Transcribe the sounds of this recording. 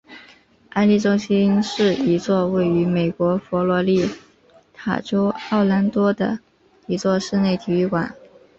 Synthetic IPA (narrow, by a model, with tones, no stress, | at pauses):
a˥˧nli˥˩ʈ͡ʂʊ˥ŋɕi˥nʂɻ̩˥˩i˧˥t͡swɔ˥˧we˥˩ɪy˧˥me˨˩ɪkwɔ˧˥fɔ˧˥lwɔ˧˥li˥˩ | t̪ʰa̰˨˩ʈ͡ʂo˥ʊɑ˥˩ʊla˧˥nt̪wɔ˥d̪ə̰˧ | i˧˥t͡swɔ˥˧ʂɻ̩˥˧ne˥˩ɪt̪ʰi˨˩y˥˩kwa̰˨˩˦n